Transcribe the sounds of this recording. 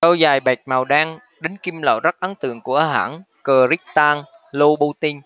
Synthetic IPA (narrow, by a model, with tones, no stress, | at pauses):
ə˧wzaː˨˩jɓɛ˨˩k̚maː˨˩wɗaː˧ŋ | ɗe˨˦nki˧mlə̰ː˧˨zə˦˥t̚ʔə˨˦nt̪ɨ̰˧˨əŋku˧˩əʔaː˧ɦa̰ː˧˩n | kəː˨˩zi˦˥k̚t̪aː˧ŋ | lo˧ɓu˧t̪i˧n